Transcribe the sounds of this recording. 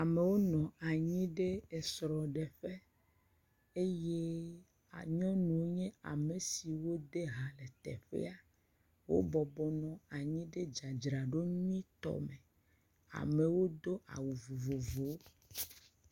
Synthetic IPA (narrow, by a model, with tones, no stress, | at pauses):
a˨me˨wo˦nɔ̃˨a˨ɲĩ˦ɖe˦e˨sɾɔ˨ɖe˨ɸe˦ | e˦je˦ | a˨ɲɔ̃˦nũ˨wo˦ɲɛ̃˦a̰˨me˨si˨wo˦d̪e˦ɦa˨le˨t̪ɛ̰˨ɸḛ˦a˨ | wo̰˦bɔ˨bɔ˨nɔ̃˨a˨ɲĩ˦ɖe˦d͡ʒa˨d͡ʒɾa˨ɖo˦ɲũ˦ĩ˦t̪ɔ̰˦mẽ˨ | a̰˨me˨wo˦d̪o˦ʔa̰˨wu˨vo˨vo˨vo˨˦